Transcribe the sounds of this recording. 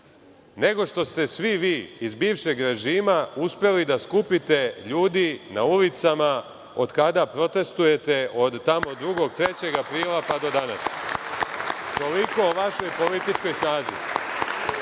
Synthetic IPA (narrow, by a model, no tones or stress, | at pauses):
ne̞ɡo̞ʃt̪o̞st̪e̞sʋiʋiːizbiːʋʃe̞ɡɾe̞ʒiːmauspe̞lid̪askupit̪e̞ʎuːd̪inaulit̪sama | o̞d̪kad̪apɾo̞t̪e̞st̪uje̞t̪e̞ʔo̞d̪ːamo̞d̪ɾuɡo̞ɡt̪ɾe̞t͡ɕe̞ɡapɾiːlapad̪o̞d̪ana̰s | t̪o̞liko̞oʋaʃo̞jpo̞lit̪it͡ʃko̞jsnaːzḭ